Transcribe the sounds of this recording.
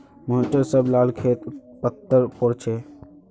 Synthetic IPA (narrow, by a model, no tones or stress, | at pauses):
moɦʈəɾsəblaːlkʰeːt̪pət̪ːəɾpoɽt͡ʃʰeː